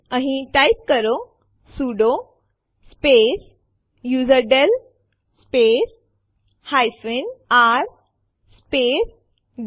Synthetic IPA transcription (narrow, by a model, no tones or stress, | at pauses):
ãɦĩʈajp̚kəɾo | suɖo | speɾ | juzəɾɖel | speɾ | hajfenaɾ | speɾ | ɡ